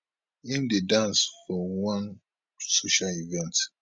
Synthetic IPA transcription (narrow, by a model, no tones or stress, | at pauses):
ĩmdedãnsfɔwãn | soʃalivɛ̃nt